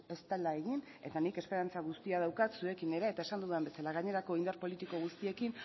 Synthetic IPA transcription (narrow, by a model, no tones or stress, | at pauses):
e̞st̪alae̞ɣin | e̞̰t̪anike̞spe̞ɾant͡saɣ̞ust̪iað̞awkat̪sue̞kine̞ɾeet̪ae̞sand̪uðuembe̞salaɣ̞aɲe̞ɾako̞ind̪aɾrpo̞lit̪iko̞ɣ̞ust̪ie̞kin